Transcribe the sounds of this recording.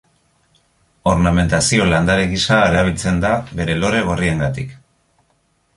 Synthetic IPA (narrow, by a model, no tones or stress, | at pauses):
o̞ɾname̞nt̪asio̞land̪aɾeɣisaeðaβilt͡se̞nd̪aβe̞ɾe̞lo̞ɾe̞ɣ̞orie̞ŋɡat̪ik